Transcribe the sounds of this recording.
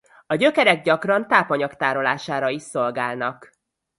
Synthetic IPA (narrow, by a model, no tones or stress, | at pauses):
ɒɟø̞kɛɾɛɡ̚ɟɒkrɒnt̪aːpɒɲɒkt̪aːɾo̞laːʃaːɾɒiʃso̞lɡaːlnɒk